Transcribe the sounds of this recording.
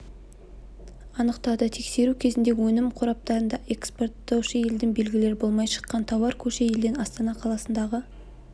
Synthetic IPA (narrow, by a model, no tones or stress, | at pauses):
ɑnəqt̪ɑd̪ət̪ʰe̞kse̞ɾukʲʰe̞zɪnd̪e̞ɡʲwɵnɪmqʰʊɾɑp̚t̪ɑɾənd̪ɑʔe̞kspo̞rt̪ːɑwʃəje̞ld̪ɪŋbe̞lɡʲɪle̞ɾɪbo̞lˠmɑjʃə̥qːɑnt̪ʰɑwɑɾkʲʰɵʃeje̞ld̪ɪnɑst̪ɑnɑqʰɑlˠɑsənd̪ɑʁə